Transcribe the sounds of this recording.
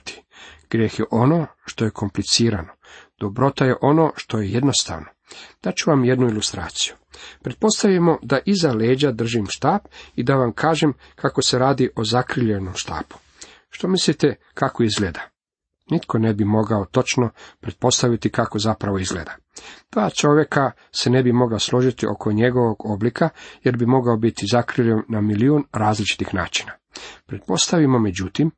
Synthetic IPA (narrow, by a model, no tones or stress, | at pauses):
t̪i̥ɡ̥ɾjeːxje̞ʔo̞noːʃt̪o̞je̞kʰo̞mplit̪siːɾano̞d̪̥obɾo̞t̪aje̞ʔo̞no̞ːʃt̪o̞jeje̞d̪no̞st̪a̰ʋno̞d̪̥at͡ɕuʋamje̞d̪nuilust̪ɾa̰ːt̪si̥ju̥ | pɾe̞d̪t̪̚po̞st̪aʋjemo̞d̪aʔizaleːd͡ʑad̪r̩ʒimʃt̪aːpid̪aʋamkʰaːʒem | kʰako̞se̞ɾaːd̪iʔo̞zakɾilʎenomʃt̪a̰ːpu̥ | ʃt̪o̞mislit̪e | kako̞izɡled̪a | nit̪kʰo̞nebimo̞ɡaot̪o̞t͡ʃnopɾe̞t̪̚po̞st̪aʋit̪ikako̞zapɾaʋo̞izɡlḛːd̪a | d̪̥ʋaːt͡ʃo̞ʋje̞ka | se̞nebimo̞ɡlaslˠo̞ʒit̪iʔo̞̰kʰo̞ɲe̞ɡo̞ʋo̞ɡo̞blikʰaje̞ɾbimo̞ɡaobit̪izakɾɨʎennamiliunɾaːzlit͡ʃi̥t̪ixna̰ːt͡ʃi̥na | pɾe̞t̪̚po̞st̪aʋimo̞me̞d͡ʑut̪im